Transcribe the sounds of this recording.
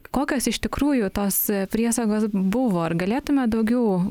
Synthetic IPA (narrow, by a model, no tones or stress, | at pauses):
koːkʲoːsɪʃt̪ʲɪkɾuːjʊt̪oːspʲɾʲiɛsɐɡoːsbʊʋoːɐrɡɐlʲeːt̪ʊmʲɛd̪ɐʊɡʲɛʊ